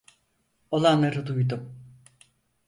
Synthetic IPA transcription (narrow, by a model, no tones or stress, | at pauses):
o̞lˠanlˠaɾɯd̪ujd̪um